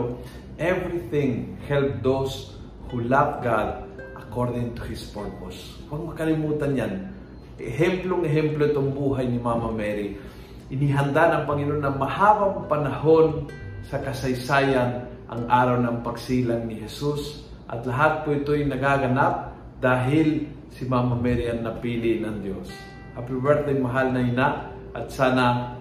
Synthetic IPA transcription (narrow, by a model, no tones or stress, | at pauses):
ʔɛvɾiθɪ̃ŋhɛlp̚d̪ows | hʊlap̚ɡad̪ | ʔɐkoɹd̪ɪŋt̪ʊhɪspoɹpos | wɐɡ̚mɐkɐlɪmuːt̪ɐnjan | ʔɛhɛmploŋɛɦɛmploʔɪt̪oŋbuːɦajnɪmamɐmɛɾi | ʔɪniɦɐnd̪anɐŋpɐŋɪloonɐŋmɐhaːbɐwŋpɐnɐho̞nsɐkɐsɐjsaːjanʔɐ̰ŋʔaːɾɐwnɐŋpɐɡsiːlaŋnɪɦɛsus | ʔɐ̰t̪lɐɦat̪̚poɪt̪ojnɐɡaɡɐnap̚ | d̪aːɦɪl | sɪmamɐmɛɾiɐŋnɐpiːlɪnɐŋd̪jos | ʔɐpɛwɛɾt̪ŋmɐɦalnɐhɪnaʔ | ʔɐt̪̚saːna